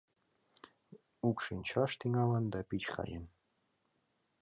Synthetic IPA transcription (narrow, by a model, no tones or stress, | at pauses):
ukʃinʲt͡ɕɑʃt̪iŋɑlɤnd̪ɑpit͡ɕkɑ̰jə̰n